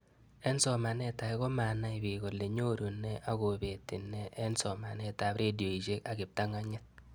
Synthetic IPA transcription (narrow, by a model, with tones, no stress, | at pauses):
ɛ˦nsɔ˨ma˨nɛ˦ta˨ɪ˦ɣɔ˦ma˨na˦ɪ˨bi˨ɣo˨le˨ɲo˦ɾu˨ne˦ʔa˦ɣo˨be˨ti˨nɛ˦ʔɛ˦nsɔ˨ma˨nɛ˦ta˨pɾe˦djo˨i˨ʃe˦ka˨ɡɪ˨p̚ta˦ŋa˦ɲɛ˦t̚